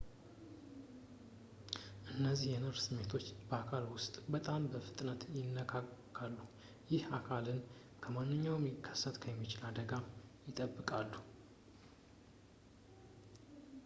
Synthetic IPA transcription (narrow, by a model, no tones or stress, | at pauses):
ʔɨnːəzːihjɛnɨɾsɨmːe̞t̪ʰo̞t͡ʃːbəakʰalwʊst̪ʼbət̪ʼambəfɨt̪ʼnət̪jɪnːəkʰakkːalːu | jɪhakʰalɨn | kʰəmanːɨɲːawɛmjɪkʰːə̥sːət̪ʼkʰəjɛmːit͡ʃɪlad̪əɡajɪt̪ʼəbːɨkʼalːu